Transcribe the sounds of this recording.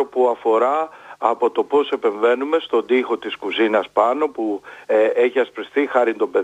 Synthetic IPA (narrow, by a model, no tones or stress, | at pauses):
opuɐfo̞ɾɐːpo̞t̪o̞po̞se̞pe̞ɱve̞nume̞st̪o̞d̪ixo̞t̪iskuzinɐspɐno̞pu | eçiɐspɾisθixɐɾind̪o̞mbe̞